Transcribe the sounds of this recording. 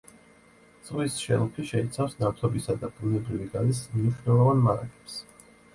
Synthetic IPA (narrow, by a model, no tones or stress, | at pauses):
d̪z̥ʼʁwisʃɛ̰lˠpʰiʃɛit̪sʰafsnat̪ʰɔbisad̪abʼunɛbɾiviɡalismniʃnɛlˠɔvanmaɾa̰kʰʼɛ̥ps